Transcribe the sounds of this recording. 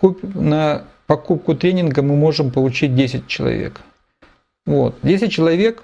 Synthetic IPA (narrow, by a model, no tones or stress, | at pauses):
upʲnə | pɐkup̚kʊt̪ɾʲenʲɪnɡəmɨmo̞ʐɨmpəlˠʊt͡ɕit̚ʲdʲesʲɪt̚ʲt͡ɕɪlˠɐ̰vʲḛk | vo̞t̪̚dʲesʲɪt̚ʲt͡ɕːɪlˠɐvʲe̞k